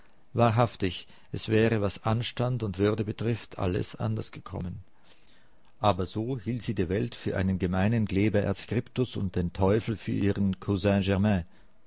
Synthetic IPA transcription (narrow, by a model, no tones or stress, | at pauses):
vaːɐɦaftɪç | ʔɛsv̥ɛːʁəvasʔanʃtantʊntv̥ʏɐdəbətʁ̥ɪftʰʔa̰lə̰sʔa̰ndɐsɡ̥əkʰɔ̰mən | ʔaːbɐzoːhiːltz̥iːdiːɐvɛltfyːɐʔa̰ɪnənɡəmaɪnənɡlɛːbɐʔɛ̰ɐskʁ̥ɪptʊsʊ̰nt̚d̥eːntʰɔʏfl̩fyːɐʔiːʁənkʰozɛ̃ʒɛʁmɛ̃